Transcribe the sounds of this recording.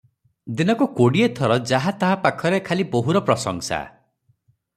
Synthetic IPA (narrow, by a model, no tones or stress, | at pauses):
d̪inɔkukoɽiet̪ʰɔɾɔd͡ʒaɦat̪aɦapakʰɔɾekʰaliboɦuɾɔpɾɔsɔ̰ŋsa̰